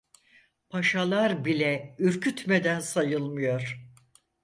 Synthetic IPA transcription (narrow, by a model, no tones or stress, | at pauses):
pʰaʃalˠaɾbilʲɛyɾcʰyt̪med̪ænsajɯlˠmɯjo̞ɾ̥